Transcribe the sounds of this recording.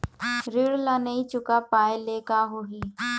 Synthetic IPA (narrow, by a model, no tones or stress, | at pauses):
ɾɪɽlanəĩt͡ʃʊkapaːeleːkaɦoɦi